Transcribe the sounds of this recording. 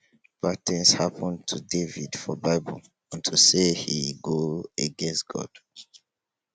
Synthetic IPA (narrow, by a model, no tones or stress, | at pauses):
patʰɛ̃nshapʰə̃ntʰudevidfɔbaɪbɔ̰l | ãntʰusehiɡoəɡɛ̃nsɡ̥ɔ̰d̥